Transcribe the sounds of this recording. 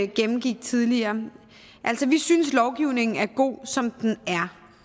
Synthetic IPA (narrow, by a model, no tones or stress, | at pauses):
ɡ̥emm̩ɡ̥iɡ̥̚t͡sʰiðˠliɐː | ʔæl̰sɒʋisynslɒʊɡ̥iʊne̝ŋn̩æɐɡ̥o̝̰ːsɒ̽md̥enæɐ